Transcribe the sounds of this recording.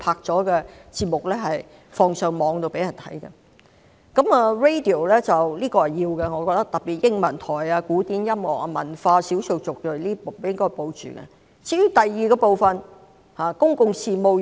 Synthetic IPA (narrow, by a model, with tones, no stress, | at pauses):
pʰaː˧k̚t͡sɔː˨˥kɛ˧t͡siː˧p̚mʊ˨k̚lɛː˥ɦɐ˨j | fɔː˧ŋsœ˨ŋmɔː˨˧ŋt̪o˧wpe˨˥jɐ˨˩nt̪ʰɐ̰˨˥jkɐɛ̰˧ | kɐ˨˥maː˧ɹe˥jt̪i˨˩o˨˩wlɛ˥t͡sɐ˨wliː˥kɔː˧hɐ˨jːiː˧wkɛ˧ŋɔː˨˧kɔː˧k̚t̪ɐ˥k̚t̪ɐ˨p̚pi˨t̚jɪ˥ŋmɐ˨˩nt̪ʰɔː˨˩jaː˧kuː˨˥t̪iː˨˥njɐ˥mŋɔ̰ː˨˩k̚a˧mɐ̰˨˩nfaː˧siː˨˥wso˧wt͡sʊ˨k̚kɵ˨˩liː˥o˨jɪ˥ŋkɔː˥jpo˧wt͡ʃy̰ː˨˩kɛ̰˧ | t͡siː˧˥jy˥t̪ɐ˨jːiː˨kɛ˧po˨wfɐ˨n | haː˨kʊ˥ŋkʊ˧ŋsiː˨˧mo˨˧w